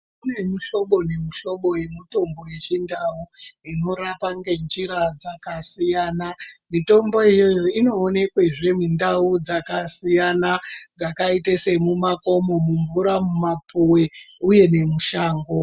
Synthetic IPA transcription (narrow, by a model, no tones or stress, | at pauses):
kune̞muʃo̞ɓo̞ne̞muʃo̞ɓo̞je̞muto̞mbo̞je̞t͡ʃindauino̞ɾapaŋɡe̞nd͡ʒiɾad͡zakasijaːnamito̞mbo̞ijojoino̞ːne̞kweʐe̞mindaud͡zakasijanad͡zakaitese̞mumako̞mo̞muɱvuɾamumapʰuweuje̞ne̞muʃaːŋɡo